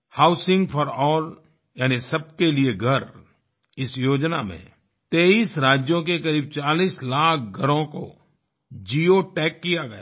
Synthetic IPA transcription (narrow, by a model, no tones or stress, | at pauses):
haːʊsɪ̃ŋɡpʰɔɾɔːl | jaːnisɐb̚kelieɡʱɐɾ | ɪsjoːd͡ʒna̰mḛ̃ | t̪eːiːsɾaːd͡ʒjõk̬ekɐɾiːb̚t͡ʃaːliːslaːk̚ʰɡʱɐɾõko̰ | d͡ʒiːoʈɛːkːijaɡɐja̰ː